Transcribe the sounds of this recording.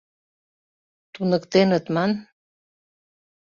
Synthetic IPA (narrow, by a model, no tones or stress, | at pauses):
t̪unəkt̪enət̪mɑn